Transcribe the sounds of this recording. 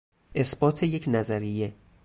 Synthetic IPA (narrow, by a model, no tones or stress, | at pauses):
ʔe̞sb̥ɒːt̪ʰe̞je̞cʰnæzæɾije̞